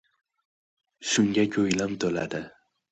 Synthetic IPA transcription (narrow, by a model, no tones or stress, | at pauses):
ʃʊŋɡʲakʲʰɵjlamt̪ʰola̰d̪ɪ